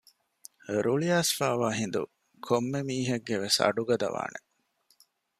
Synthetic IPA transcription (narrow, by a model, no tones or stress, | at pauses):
ɾuɭijaːsfaːʋaːɦind̪ṵ | kʰomːemiːɦɐɡːeʋesɐ̰ɖuɡɐd̪ɐ̰ʋa̰ːne